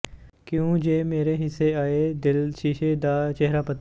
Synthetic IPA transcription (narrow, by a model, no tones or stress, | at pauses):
kjũd͡ʒeːmeːɾeɦɪsːeaːed̪ɪlʃiːʃed̪aːt͡ʃɛɦɾaːpət̪